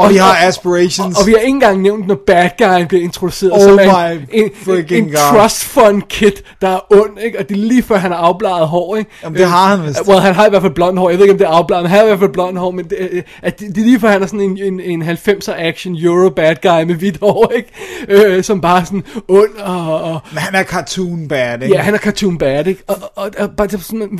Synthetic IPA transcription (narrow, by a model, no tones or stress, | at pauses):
iɑæsb̥əɹeʃnɒ̽ʋihɑ̈e̝ŋn̩ɡ̥ɑ̈ŋ̰neʊnd̥nɒb̥æd̥̚ɡ̥ɑ̈ɪnb̥liɐe̝nt͡sʰʁo̝d̥use̝̰ːɐð̩ˠɒmæɪefekenŋt͡sʰʁɒsd̥fɒnkʰe̝d̥ːɑ̈æɐɔ̽n̰e̝ɡ̥ɒ̽d̥e̝liːfɶɐɦænhɑ̈ɑ̈ʊb̥lɑ̈ːð̞̩ˠɦɒ̰ːeɡ̥deɑhænwelˠɦænɦɑ̈ɪʋæɐ̰fælb̥lɒ̽n̰d̥hɒɔ̰ːjɪe̝ðˠeɡɒmd̥e̝ɐɑ̈ʊb̥lɑ̈ːð̩ˠenɦænhɑiʋæɐfælb̥lɒ̽n̰d̥hɒ̰ːmen̥e | ʔæd̥ed̥e̝liːfɶɐ̰hænæɐsɔ̽ne̝ne̝ne̝nɦælfem̰sɐæɡ̥ɕənjuʁob̥æd̥̚ɡ̥ɑ̈ɪmeʋid̥hɒːeɡ̥øsɒ̽mb̥ɑ̈ːsɔ̽nɔ̽n̰ɒ̽mhænæɐkʰɑt͡sʰunb̥ɛd̥jæhænæɐkʰɑ̈t͡sʰuːnb̥ædeɡ̥ɒːb̥ɑ̈d̥esn